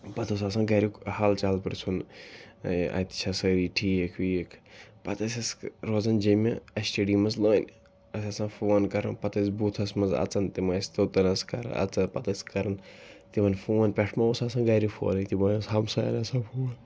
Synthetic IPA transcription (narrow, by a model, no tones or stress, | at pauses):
pɐt̪ʰosas̬ãːɡaːɾikhalt͡ʃalpɨɾt͡sʰun | ɐ̰t̪i̥t͡ʃʰasəɾiːʈʰiːekʰwiekʰpɐt̪ɐsʲɐsɾozɐnd͡ʒɐmeɐsʈeːɖiːmɐzloːnʲ | ɐsɐsãːfoːnkɐɾɐnpɐt̪ɐsbut̪ʰɐsmɐzɐ̰t͡sɐnt̪imɐsʲt̪ot̪ɐnɐskɐ̰ɾ̰ɐ̰t͡sɐpɐt̪ɐskɐɾɐnt̪imɐnfʰuːnpʲɛʈʰmɐosaːsãːɡaːɾifʰo̰ːnit̪ibɐːjsɦɐmsaːjɐ̰nɐsãːfʰuːn